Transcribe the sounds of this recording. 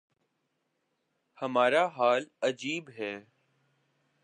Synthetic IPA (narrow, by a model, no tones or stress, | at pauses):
həmaːɾaːɦaːləd͡ʒiːbɦɛː